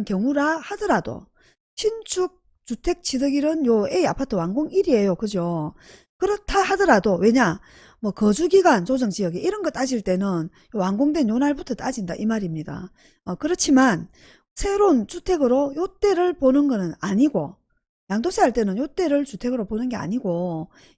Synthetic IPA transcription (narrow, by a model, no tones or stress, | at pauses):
nkjʌŋuɾahadʌɾado̰ | ɕʰint͡ɕʰuk̚ | t͡ɕutʰe̞k̚t͡ɕʰidɯɡiɾɯnjoeiapʰatʰɯwaŋɡoŋiɾie̞jokɯd͡ʑo | kɯɾʌtʰahadʌɾadowe̞ɲa | mwʌkʌd͡ʑuɡiɡant͡ɕod͡ʑʌŋd͡ʑijʌɡeʔiɾʌnɡʌt͈ad͡ʑiɭt͈e̞nɯn | jowaŋɡoŋdwe̞njonaɭbutʰʌt͈ad͡ʑinda̰ʔimaɾimɲida̰ | ʌkɯɾʌt͡ɕʰiman | sʰe̞ɾont͡ɕutʰe̞ɡɯɾojot͈e̞ɾɯɭponɯnɡʌnɯnaɲiɡo | jaŋdosʰeɦaɭt͈e̞nɯnjot͈e̞ɾɯɭt͡ɕutʰe̞ɡɯɾoponɯnɡe̞a̰ɲiɡo